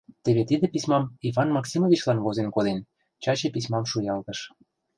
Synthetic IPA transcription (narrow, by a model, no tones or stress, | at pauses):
t̪eβet̪id̪ĕpismɑmivɑnmɑksʲimovʲit͡ɕlɑnβozenkod̪en | t͡ɕɑt͡ɕĕpismɑmʃujɑlt̪ɤ̆ʃ